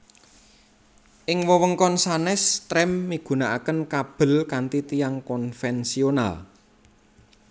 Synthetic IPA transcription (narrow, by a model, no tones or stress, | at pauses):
ʔɪŋwɔwəŋkɔnsanɛst̪ɾɛmːiɡ̥ṳnaʔakənkab̥ə̤lkant̪it̪ijaŋkɔnfɛnsiona̰l